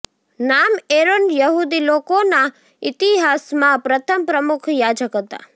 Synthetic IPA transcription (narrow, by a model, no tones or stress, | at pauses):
nameɾonjəɦud̪ilokona | it̪iɦasmãpɾət̪ʰəmpɾəmukʰjad͡ʒəkɦət̪a̰